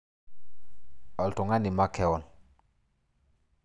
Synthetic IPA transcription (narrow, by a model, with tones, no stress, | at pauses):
ɔ˨ltu˨ŋa˦ni˨ma˦ke˦˨wɔ˨n